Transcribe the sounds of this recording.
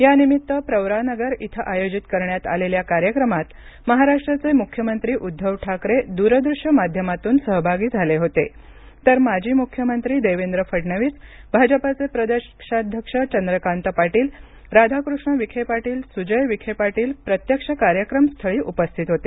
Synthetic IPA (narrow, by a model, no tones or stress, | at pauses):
janimit̪ːəpɾəwɾanəɡəɾit̪ʰəʔajod͡ʑit̪kəɾɳjat̪a̰leljakaɾjəkɾəmat̪ | məɦaɾaʂʈɾat͡semukʰːjəmənt̪ɾiːʔud̪ʱːəʋʈʰakɾed̪uɾəd̪ɾuʂjəmad̪ʱjəmat̪uːnsəɦbʱaɡiːd͡zʱaleɦot̪e | t̪əɾmad͡ʑʱiːmukʰːjəmənt̪ɾiːd̪eʋend̪ɾəfəʈɳəʋiːsbʱad͡ʑəpat͡sepɾəd̪əkʂad̪ʱjəkʂət͡ɕənd̪ɾəkant̪əpaʈiːl | ɾad̪ʱakɾuʂɳəʋikʰepaʈiːlsud͡ʑəjʋikʰepaʈiːlpɾət̪jəkʂəkaɾjəkɾəmst̪ʰəɭiːʔupəst̪ʰit̪ɦot̪e